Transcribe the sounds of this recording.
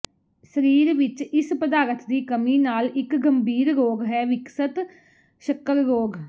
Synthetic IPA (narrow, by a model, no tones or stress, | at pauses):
səɾiːɾʋɪt͡ʃɪspəd̪aːɾət̪d̪iːkəmiːnaːlɪkɡəmbiːɾɾoːɡɦɛːʋɪksət̪ | ʃəkəɾːoːɡ